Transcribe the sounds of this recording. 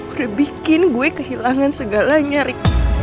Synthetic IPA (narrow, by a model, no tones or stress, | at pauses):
uɾabikɪnɡuɛkəhilaŋansəɡalaɲaɾik